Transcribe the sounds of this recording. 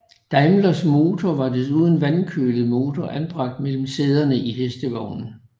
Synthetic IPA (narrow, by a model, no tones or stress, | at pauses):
d̥ɑ̈ɪmlɐsmo̝ːt͡sʰɒʋɑ̈d̥eðˠuð̞ˠn̩ʋænkʰø̰ːləð̩ˠmo̝ːt͡sʰɒʔænb̥ʁɑ̈ɡ̥̚d̥mel̰m̩se̝ð̞ˠɐnəʔiɦesd̥əʋɒʊnn̩